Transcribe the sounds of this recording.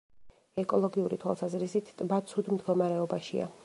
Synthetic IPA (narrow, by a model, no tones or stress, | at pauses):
ɛkʼɔlˠɔɡiuɾit̪ʰwa̰lˠsazɾisit̪ʰt̪ʼbat̪sʰud̪md̪ɡɔmaɾɛɔbaʃḭa̰